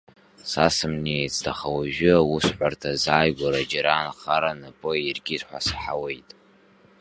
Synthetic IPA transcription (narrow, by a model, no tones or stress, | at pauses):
sasɨmnejt͡sʼtʰaχawaʒᶣʊawusħʷartʰazaːjɡʷaɾad͡ʒaɾaːnχaɾanɨpʼɨirɡʲɪrħʷasħawe̞jtʼ